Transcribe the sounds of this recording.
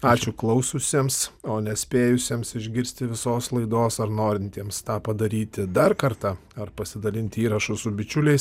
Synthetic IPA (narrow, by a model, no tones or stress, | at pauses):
ɑːt͡ʃʲʊklˠɐʊsʊsʲiɛmsoːnʲɛsʲpʲeːjʊsʲiːmsɪʒʲɡʲɪɾʲsʲt̪ʲɪʋʲɪsoːslˠɐɪd̪oːsɐrnoːɾʲɪnʲt̪ʲiɛmst̪ɑːpɐd̪ɐɾʲiːt̪ʲɪd̪ɐrkɐɾt̪ɑːɐrpɐsʲɪd̪ɐlʲɪnʲt̪ʲiːɾɐʃʊsʊbʲɪt͡ʃʲʊlʲɛɪs